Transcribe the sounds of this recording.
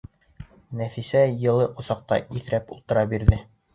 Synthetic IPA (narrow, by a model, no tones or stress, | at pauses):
næfisæjɤ̆lˠɤqŏsɑq̚t̪ɑ̰iθɾæpulˠt̪ɤ̆ɾɑbiɾðɘ